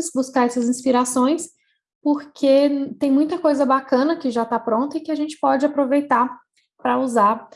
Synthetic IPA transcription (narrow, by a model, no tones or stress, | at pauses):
sbuskaɾɛsɐzĩspiɾasõj̃s | poɾkʰet̪ẽj̃mũj̃t̪ɐkojzɐbakɐ̃nɐkɪʒat̪apɾõnt̪ɐɪkɪaʒẽnt͡ʃɪ̥pɔd͡ʒɪapɾovejt̪a | pɾɐuzaɾ